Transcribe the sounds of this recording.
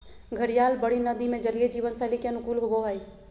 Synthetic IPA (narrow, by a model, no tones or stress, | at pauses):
ɡʱəɽijaːlbəɽinəd̪imẽd͡ʒəlijed͡ʒiːʋənsə̃likeənʊkuːlɦoboɦəj